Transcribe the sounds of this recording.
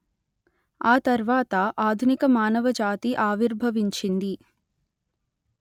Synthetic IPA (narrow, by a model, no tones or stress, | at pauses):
aːt̪ɐɾʋaːt̪ɐʔaːd̪ʱunikɐmaːnɐʋɐd͡ʒaːt̪iʔaːʋiɾbʱɐʋiɲt͡ʃind̪i